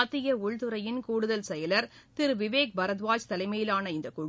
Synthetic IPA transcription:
ɐt̪ːɪjɐʊɭt̪ɯɾɐjɪnkuːɽɯðɐlsɛjɐlɐɾt̪ɪɾʋɪʋeːk̚bɐɾɐðʋaːt͡ʃt̪ɐlɐɪmɐjɪlaːnɐɪnd̪ɐkuː

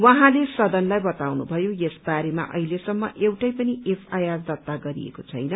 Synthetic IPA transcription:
wʌɦãlesʌd̪ʌnlajbʌt̪awnubʱʌjojesbaɾema̰ʔʌ̰ilesʌmːʌ̰ʔewʈʌjpʌniepʰajazd̪ʌt̪ːaɡʌɾḭḛkot͡sʰʌ̰jnʌ

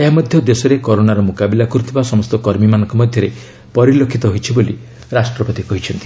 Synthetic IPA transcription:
eɦamɔd̪ʱjɔd̪esɔɾekɔɾonaɾɔmukabilakɔɾut̪ʰibasɔmɔst̪ɔkɔɾmimanɔŋkɔmɔd̪ʱjɔɾe | pɔɾilokʰːit̪ɔɦojt͡ʃʰiboli | ɾasʈɾɔpɔt̪ikɔɦit͡ʃʰɔnt̪i̥

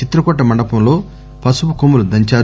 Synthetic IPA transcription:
t͡ʃit̪ɾɐkɔʈːɐmɐɳɖɐpɐmlo̞ː | pɐsupɐkomulud̪ɐɲt͡ʃaː

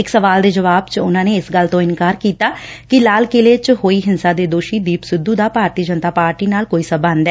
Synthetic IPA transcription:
ɪksəʋaːld̪eːd͡ʒəʋaːbt͡ʃʊnãːneːɪsɡəlt̪õːɪnkaːɾkiːt̪aːkɪlaːlkɪleːt͡ʃhoːiːɦɪnsaːd̪eːd̪oːʃiːd̪iːpsʊd̪ːuːd̪aːpaːɾt̪iːd͡ʒənt̪aːpaːɾʈiːnaːlkoːiːsəbaːnd̪ɛː

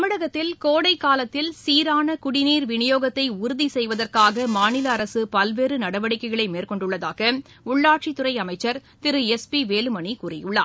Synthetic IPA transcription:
ɐmɪɽɐɣɐt̪ːɪlkoːɽɐɪkːaːlɐt̪ːɪlsiːɾaːnɐkʊɽɪniːɾʋɪɳɪjoːɣɐt̪ːɐɪʊɾʊðisɛjʋɐðɐrkaːɣɐmaːnɪlɐːɾɐsɯpɐlʋeːɾɯnɐɽɐʋɐɽɪkːɐɪɣɐɭɐɪmeːrkɔɳɖɯɭːɐðaːɣɐ | ʊɭːaːʈ̚t͡ʃit̪ːʊrɐɪɐmɐɪt͡ʃːɐɾt̪ɪɾɯɛspiʋeːlɯmɐɳikuːrɪjɯɭːa̰ː

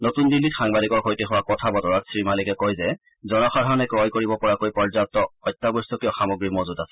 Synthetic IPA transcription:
notundilːitxaŋbadikɔɹkʰojtexʊwakɔtʰabɔtɔɹatsɹimalikɛkojzɛ | zɔnɔxadʱaɹɔnɛkɹɔjkoɹibɔpɔɹakojpɔɹzatːɔɔjtːabɔstɔkiɔxamoɡɹimozudasɛ

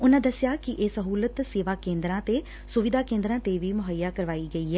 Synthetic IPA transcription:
ʊnãːd̪əsːjaːkɪʔeːsəɦuːlət̪seːʋaːkẽːnd̪ɾãːt̪eː | sʊʋɪd̪aːkẽːnd̪ɾãːt̪eʋiːmʊɦəjːaːkəɾʋaːiːɡəiːɦɛː

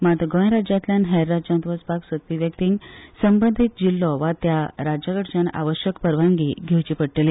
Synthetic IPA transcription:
mat̪ɡɔ̃j̃ɾad͡ʑãt̪lʲjãnɦɛɾːad͡ʑãnt̪ʋət͡spaksʋət̪ʋiʋjək̚t̪iŋɡsəmbənd̪ʱit̪̚d͡ʑilːɔʋat̪jaɾad͡ʑaɡəʈd͡ʑana̰ʋəɕjəkpəɾʋãŋɡḭɡʱewt͡ɕipəɽʈele

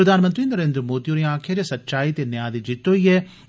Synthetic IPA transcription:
ɾɐd̪ʱaːnmə̃nt̪ɾiːnəɾẽːnd̪ɾəmoːt̪ioɾiãːkʰjad͡ʒesɐtːʃaːit̪enjaːd̪id͡ʒɪt̪oiɛː

